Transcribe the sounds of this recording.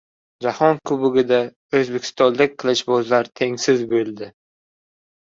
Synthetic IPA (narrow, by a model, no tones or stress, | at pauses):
d͡ʒahɒnkʰʊbʊɡʲɪd̪a | ɵzbe̞kʰʲɪ̥st̪ɒnlɪk̚ʲqʰɨlˠɪʃbɒzlaɾt̪ʰe̞ŋsɪzbolˠd̪ɪ